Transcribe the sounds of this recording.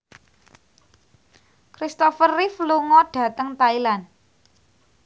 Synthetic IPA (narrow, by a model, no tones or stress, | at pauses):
kɾist̪ɔfərːifluŋɔɖ̥ä̤t̪əŋt̪ailan